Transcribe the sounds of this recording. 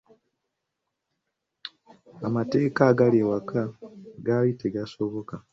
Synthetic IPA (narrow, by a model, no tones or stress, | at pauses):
amate̞ːkaɡalewakaɡajiteɡaso̞βo̞ka